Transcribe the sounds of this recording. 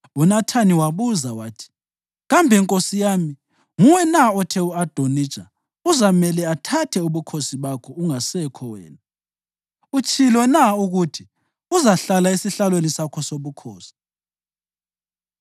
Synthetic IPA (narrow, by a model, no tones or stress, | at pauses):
unatʰaniwaβuzawaːtʰi̥ | ɣambʱɛŋkʼosijaːmi | ŋuwɛnaɔtʰɛuad̥ʱonit͡ʃʼa | uzamɛlɛatʰatʰɛuβukʰosiβakʰɔuŋasɛkʰɔwɛ̰ːna | ut͡ʃʼilwɔnauɣutʰi | uzaɬalaisiɬalwenisakʰɔsoβukʰoːsi̥